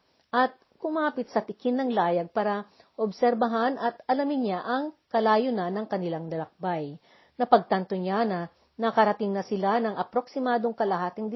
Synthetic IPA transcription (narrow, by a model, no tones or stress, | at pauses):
ʔɐt̪̚ | kʊmaːpɪt̪̚sɐt̪ɪkɪnːɐŋlaːjɐɡ̚paːɾɐ | ʔobsɛɾbɐɦanʔɐt̪ʔɐlɐmɪnɲaʔɐŋkɐlaːjonanɐŋkɐnɪlaŋlɐlɐk̚baj | nɐpɐɡ̚t̪ɐnt̪oɲanɐ | nɐkɐɾɐt̪ɪŋnɐsɪlanɐŋʔɐpɾo̞ksɪmaːd̪o̞ŋkɐlɐhaːt̪ɪŋd̪ɪ